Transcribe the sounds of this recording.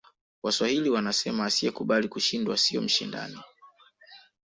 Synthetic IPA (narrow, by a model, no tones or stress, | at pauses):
waswahiliwanasɛmaːsiɛkuɓalikuʃindwasiɔ̰m̩ʃinda̰ni